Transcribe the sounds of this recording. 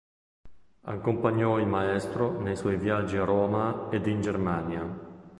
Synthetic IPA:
a̰kːompaɲːɔilmaɛst̪ɾonejswɔjvjad͡ʒːiarɔːmaed̪ind͡ʒermanja

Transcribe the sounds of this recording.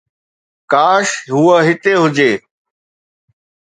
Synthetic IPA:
kaːʃɦʊːəɦɪt̪eɦʊd͡ʑeː

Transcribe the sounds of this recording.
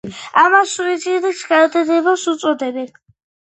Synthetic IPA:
amasuid̪zid̪iksɡad̪ad̪ɛbasut̪sʼɔd̪ɛbɛkʰ

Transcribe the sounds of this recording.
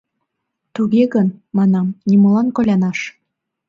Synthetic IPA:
t̪uɣeɣənmɑnɑmnimɤ̆lɑnkolʲɑnɑʃ

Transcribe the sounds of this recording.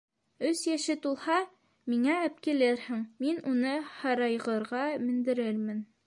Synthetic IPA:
ɵsjæʃɘt̪ulˠhɑ | miŋææp̚kilɘɾhɘŋminunɤhɑɾɑjʁɤ̆ɾʁɑmɘ̆nd̪ɘ̆ɾɘɾmɘn

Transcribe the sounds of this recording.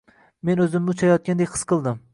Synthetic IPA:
me̞nɵzɪmmʊt͡ʃʰajɒt̪̚ʲand̪ekʲqʰɨ̥sqʰɨlˠd̪ɪm

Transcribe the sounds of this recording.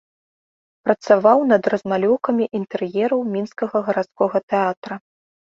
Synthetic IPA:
pɾɐt̪savawnɐd̪rɐzmalʲɔwkɐmʲiʔint̪ɛrjɛɾɐwmʲinskɐɣɐɣɐɾat̪skɔɣɐt̪ɛat̪ɾɐ

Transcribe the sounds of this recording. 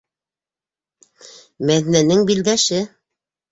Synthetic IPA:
mæðinænɘŋbild̪æʃɘ

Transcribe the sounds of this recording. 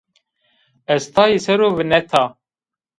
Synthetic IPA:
ɛst̪ʰɑːjisɛɾoːvɨnɛt̪ʰɑː

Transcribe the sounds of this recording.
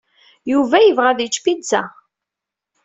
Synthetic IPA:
juvæjəvʁæðət͡ʃːfidt͡sːæ

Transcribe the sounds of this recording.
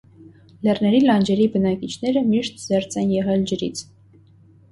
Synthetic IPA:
lɛrnɛɾilɑnd͡ʒɛɾibənɑkit͡ʃʰn̪ɛɾəmiʃt̪zɛɾt͡sʰɛnjɛʁɛld͡ʒəɾit͡sʰ

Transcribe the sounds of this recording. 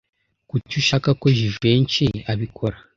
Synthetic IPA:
kucuʃakako̞ʒiʒeːnt͡ʃiaβikʰoɾa

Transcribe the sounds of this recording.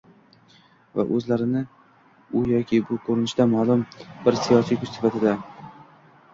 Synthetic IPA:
va̰ʔɵzlaɾɪnɪ | ʊjɒkʲʰɪbʊkʰɵɾɪnɪʃt̪amalˠʊmbɪɾsijɒsijkʰʊt͡ʃsɪ̥fat̪ʰɪd̪a

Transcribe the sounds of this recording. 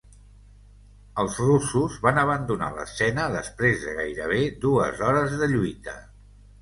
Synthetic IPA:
əlˠzrusuzβanəβ̞ənd̪una̰lə̰sɛnəðə̰spɾezðəɣajɾə̰β̞ed̪uə̰zɔɾəzðəʎujt̪ə

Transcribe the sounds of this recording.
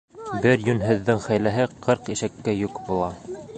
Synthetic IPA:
bɘɾjɵ̆nɦɘ̆ðːɘŋχæjlæɦɘqʰɤɾqiʃækːæjukbulˠɑ

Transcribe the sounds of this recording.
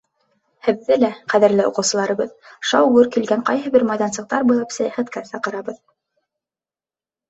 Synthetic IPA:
hɘ̆ðːɘlæqæðɘ̆ɾlɘŏ̰qɤ̆wsɤ̆lˠɑɾɤ̆βɤðʃɑwwɤɾkilɡæŋqɑjɦɤ̆bɘɾmɑjðɑnsɤ̆q̚t̪ɑɾbujlˠɑpsæjæχæt̪̚kæsɑqɤ̆ɾɑβɤð

